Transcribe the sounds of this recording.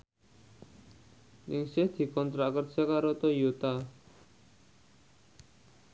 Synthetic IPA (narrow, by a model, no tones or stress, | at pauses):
nɪŋsɪhd̪̥i̤kɔnt̪ɾaʔkərsakaɾot̪ojot̪a